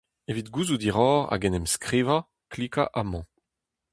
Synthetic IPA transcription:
evid̪ɡuzud̪iʁɔːʁa̰ɡɛnɛmskʁiva | klika̰ʔamɑ̃

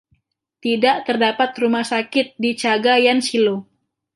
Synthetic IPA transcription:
t̪idaʔt̪ərdapat̪rumahsakɪt̪̚dit͡ʃaɡajansilo

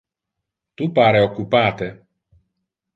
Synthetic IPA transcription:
t̪upaɾeokupaːt̪e

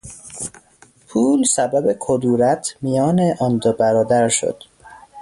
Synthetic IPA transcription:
pʰuːlsæbæbe̞kʰod̪uːɾæt̪ʰmijɒːneʔɒnd̪obæɾɒːd̪æɾʃo̰d̪̥

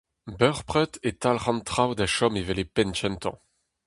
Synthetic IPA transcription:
bœʁpʁɛt̪et̪alʁɑ̃nt̪χawd̪aʃɔmevɛlepɛnt͡ʃɛnt̪ʰɑ̰̃

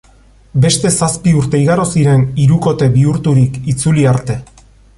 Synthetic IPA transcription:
be̞st̪e̞saspiuɾt̪e̞iɣaɾosiɾe̞niɾuko̞t̪e̞βiuɾt̪uɾikit͡suliaɾt̪e̞

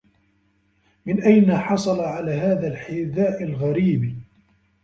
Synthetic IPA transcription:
mɪnʔajnaħɑsˤɑlɑʕalaːɦaːðalħɪðaːʔɪlɣaɾiːb

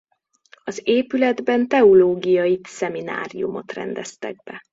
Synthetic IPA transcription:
ɒzeːpylɛd̪bɛnt̪ɛoloːɡijɒjisɛmina̰ːɾijumo̞̰t̪rɛ̰nd̪ɛst̪ɛ̰ɡ̚bɛ

